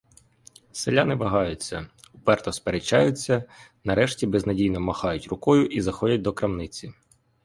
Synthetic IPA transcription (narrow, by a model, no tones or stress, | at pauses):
selʲanɪʋɐɦɑjʊt͡sʲːɐ̰ | ʊpɛrt̪ɔspeɾet͡ʃɑjʊt͡sʲːɐnɐɾɛʃtʲibeznɐdʲijnɔmɐxɑjʊtʲrʊkɔjʊʔizɐxɔdʲɐt̚ʲd̪ɔkɾɐmnɪt͡sʲi